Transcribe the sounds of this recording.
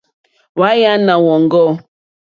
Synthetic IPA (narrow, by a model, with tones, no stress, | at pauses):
wa˨˦ja˦na˨wɔ˨ŋ˦ɡɔ˦